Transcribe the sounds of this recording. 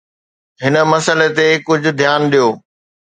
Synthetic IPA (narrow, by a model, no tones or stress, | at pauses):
ɦɪnə̆mɐsəlet̪ekʊd͡ʑʱʊ̆d̪ʱjaːnɗijoː